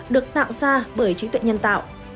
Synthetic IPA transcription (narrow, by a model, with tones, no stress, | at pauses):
ɗɨ˨˩ək̚t̪a̰ː˧˨ŋ͡mzaː˧ɓəː˧˩jt͡ɕi˨˦t̪wɛ̰˧˨jɲə˧nt̪a̰ː˧˨wʔ